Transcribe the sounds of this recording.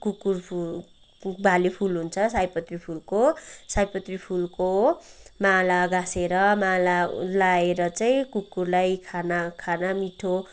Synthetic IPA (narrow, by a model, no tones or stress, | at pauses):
kukurpʰu | bʱalepʰulɦunt͡sʰʌsajpʌt̪ripʰulkosajpʌt̪ripʰulkomalaɡaseɾʌmalalaeɾʌt͡saĩkukurlajkʰanakʰanamiʈʰo